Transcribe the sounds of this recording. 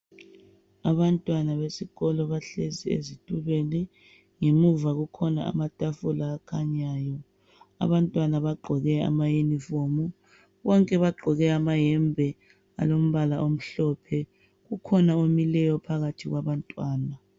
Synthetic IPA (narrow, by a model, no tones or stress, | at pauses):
aβantʼwanaβesiɣɔlɔβaɬeziḛzitʼuβɛlɛ | ŋemuvaɣukʰɔna̰a̰matʼafulaːkʰaɲaːjɔ | a̰βantʼwanaβaɡ͡ǃʱɔɣɛa̰majenifomu | βɔŋkʼɛβaɡ͡ǃʱɔɣɛamajɛmbʱɛ | a̰lom̩βalaʔom̩ɬɔpʰɛ | ɣukʰɔnaomilɛjɔpʰaɣatʰiɣwaβantʼwaːna